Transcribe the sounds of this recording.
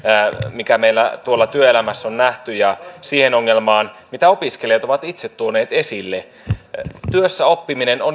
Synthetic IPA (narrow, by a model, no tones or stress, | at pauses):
mikæmeilːæ̰t̪uolːɑt̪yøelæmæsːonnæht̪yjɑsiːhenoŋːelmɑːnmit̪æo̞piskelijɑt̪oʋɑt̪it̪set̪t̪uoneːt̪esilːe | t̪yøsːæo̞pːimineno